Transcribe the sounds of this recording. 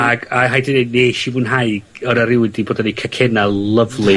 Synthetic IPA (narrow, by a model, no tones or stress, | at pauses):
aɡaɦajdineneʃivuːnɦaɨ | ɔnaɾɪwɪdiboːdɔnikʰakʰɛnalˠəvlˠi